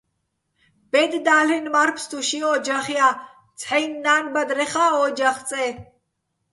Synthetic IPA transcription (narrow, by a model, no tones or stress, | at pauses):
b̥ɛd̪d̪aːlinmɐɾpʰst̪ʼuʃiɔːd͡ʒɐχija | t͡sʼħɛjnːaːnbɐd̪ɾɛχaːɔd͡ʒɐχt͡sʼɛː